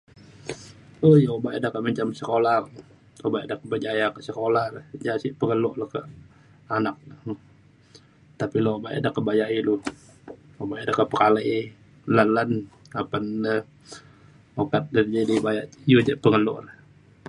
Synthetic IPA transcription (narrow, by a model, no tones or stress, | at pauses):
ohjaobaʔadakaʔmaɲt͡ʃamsəkolah | obaʔadakəbəd͡ʒajakəsəkolahlad͡ʒasiʔpəŋəlɔʔlahkəʔ | anak̚lə | t̪apiloobaʔa̰dakəbajaʔilu | obaʔadakəpəkala | lanlan | apanə | okat̪̚dərd͡ʒadibajaʔjud͡ʒaʔpəŋəlɔʔlah